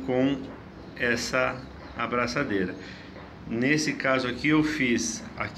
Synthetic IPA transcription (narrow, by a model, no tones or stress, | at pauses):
kõw̃ | ɛsɐ | abɾasad̪ejɾɐ | nesɪkazʊakɪewfisa̰k